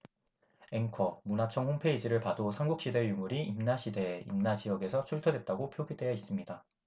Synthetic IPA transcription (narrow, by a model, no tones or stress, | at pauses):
e̞ŋkʰʌmunat͡ɕʰʌŋɸonpʰe̞id͡ʑiɾɯɭpadosʰaŋɡuk̚ɕ͈ide̞jumuɾiimnaɕʰide̞ḭmnad͡ʑijʌɡe̞sʰʌt͡ɕʰuɭtʰodwe̞t̚t͈aɡopʰjoɡide̞jais͈ɯmɲida